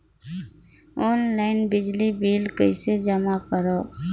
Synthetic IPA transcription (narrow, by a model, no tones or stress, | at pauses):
ɔːnlaɪnbɪd͡ʒlibiːlkəɪsed͡ʒəmakəɾoː